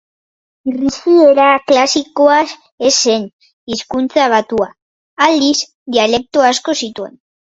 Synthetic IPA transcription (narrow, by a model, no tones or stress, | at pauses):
risieɾaklasikoa | ese̞n | iskunt͡saβ̞at̪ua | ald̪is | d̪iale̞k̚t̪oasko̞sit̪ue̞̰n